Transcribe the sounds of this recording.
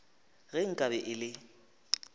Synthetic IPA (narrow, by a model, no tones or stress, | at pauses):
ɣɛŋ̩kʼabɛʔɪlɪ